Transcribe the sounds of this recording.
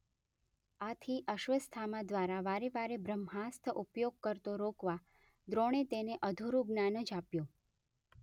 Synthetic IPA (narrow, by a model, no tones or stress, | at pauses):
at̪ʰiʔəʃʋəst̪ʰamad̪ʋaɾaʋaɾeʋaɾebɾəmɦast̪ʰəʔupjoɡ̚kəɾt̪oɾokʋa | d̪ɾoɽ̃et̪eneʔəd̪ʱuɾuɡnanəd͡ʒapjo